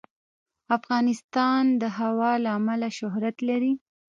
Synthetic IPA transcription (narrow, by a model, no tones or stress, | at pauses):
afɣɑnɪst̪ɑnd̪əɦawɑlaːmalaʃʊɦɾat̪laɾi